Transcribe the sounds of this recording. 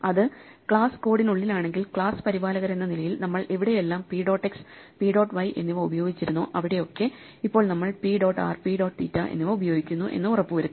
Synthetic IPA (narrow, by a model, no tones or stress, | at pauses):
ɐðɨ | kɭaːsɨ̥ko̞ːɽinuɭːilaːɳe̞ŋɡilkɭaːsɨ̥pɐɾibaːlɐɣɐɾe̞nːɐnilɐjilnɐmːɐɭʔe̞ʋiɽeje̞lːaːmpiːɖo̞ːʈːeks | piːɖo̞ːʈːʋɐjʔe̞nːiʋɐubɐjo̞ːɡit͡ɕːiɾunːo̰ːʔɐʋiɽe̞jo̞kːe̞ | ipːo̞ːɭnɐmːɐɭpiɖo̞ːʈːa̰ːrpiɖo̞ːʈːt̪iːtːaːʔe̞̰nːiʋɐubɐjo̞ːɡikʲːunːuʔe̞̰nːɨurɐpːɨʋɐɾuː